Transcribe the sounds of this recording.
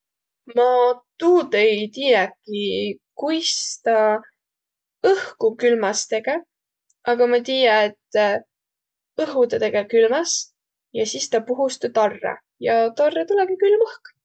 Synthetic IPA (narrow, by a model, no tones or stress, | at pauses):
mɑt̪uːd̪ejt̪ijɑkːˑikujst̪ɑ | ɤhkukylmɑst̪e̞ɡ̥e | ʔɑɡ̥ɑmɑt̪iːjɑet̪ː | ɤɦud̪ɑt̪e̞ɡ̥ekylmɑs | jɑsist̪ɑpuɦust̪ut̪orːḛ | jɑt̪orːet̪ulɛɡikylmɤhk